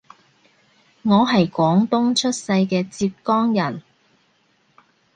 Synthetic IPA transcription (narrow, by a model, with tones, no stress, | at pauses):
ŋɔː˨˧ɦɐ˨jkʷɔː˨˥ŋt̪ʊ˥ŋt͡ʃʰɵ˥t̚sɐ˧jkɛː˧t͡siː˧p̚kɔː˥ŋjɐ˨˩n